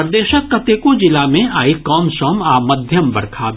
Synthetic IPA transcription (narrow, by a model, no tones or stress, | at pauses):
ɾd̪eːʃəkːɐt̪ekod͡ʒɪlamẽʔaːikɔːmsɔːmaːmɐd̪ʱjəmbɐ̰ɾkʰaː